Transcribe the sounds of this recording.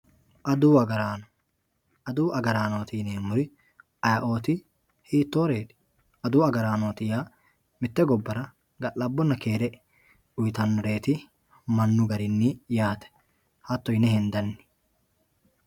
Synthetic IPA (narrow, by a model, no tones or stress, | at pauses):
ʔɐd̪uːɐɡɐɾaːnɔ | ɐd̪uːʔɐɡɐɾaːnoːt̪ɪneːmːʊɾɪ | ɐjɐʔo̞ːt̪ɪ | hiːt̪ːoːɾeːt̪ɪ̥ | ʔɐd̪uːɐɡɐɾaːnoːt̪ɪjaː | mɪt̪ːɛɡɔbːɐɾɐ | ɡɐʔɐbːɔnːɐke̞ːɾɛʔ | ʊjt̪ɐnːɾe̞ːt̪ɪ | mɐnːʊɡɐɾɪnːijaːt̪ɛ̥ | hɐt̪ːɔjɪnɛhɛnd̪ɐnːɪ̥